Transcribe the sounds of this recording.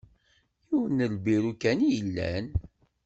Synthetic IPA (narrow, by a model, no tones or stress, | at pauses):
juwənəlbiɾukænjəlːæ̰n